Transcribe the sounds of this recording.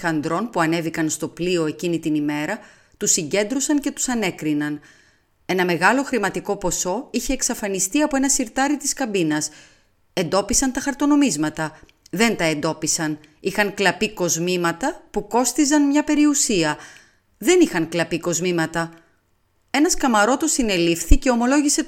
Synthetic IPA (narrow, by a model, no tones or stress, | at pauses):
ɐnd̪ɾo̞npuɐne̞vikɐnst̪o̞plio̞e̞cinit̪inime̞ɾɐ | t̪usiɲɟe̞nd̪ɾosɐnce̞t̪u̥sɐne̞kɾinɐn | e̞nɐme̞ɣɐlo̞xɾimɐt̪iko̞po̞so̞içe̞ːksɐfɐnist̪iɐpo̞e̞nɐsiɾt̪ɐɾit̪iskɐmbinɐs | e̞nd̪o̞pisɐnt̪ɐxɐɾt̪o̞no̞mizmɐt̪ɐ | ðe̞nt̪ɐe̞nd̪o̞pisɐn | ixɐŋklɐpiko̞zmimɐt̪ɐpuko̞st̪izɐnmɲɐpe̞ɾiusiɐ | ðe̞nixɐŋklɐpiko̞zmimɐt̪ɐ | e̞nɐskɐmɐɾo̞t̪o̞sine̞lifθice̞o̞mo̞lo̞ʝise̞